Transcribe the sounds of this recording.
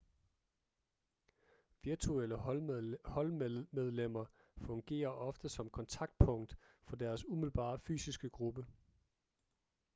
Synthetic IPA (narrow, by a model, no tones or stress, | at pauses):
ʋiɐt͡sʰuel̰ə | hɒ̽lmeð̞ˠlem̰ɐ | fɔ̽ŋɡ̥e̝̰ːɐʔɒ̽fd̥əsɒ̽mkʰɒ̽nt͡sʰɑ̈ɡ̥̚d̥̚pʰɔ̽ŋ̰d̥fɒ̽d̥æɐsumiðl̩b̥ɑ̰̈ːfy̰ːsisɡ̥əɡ̥ʁub̥ə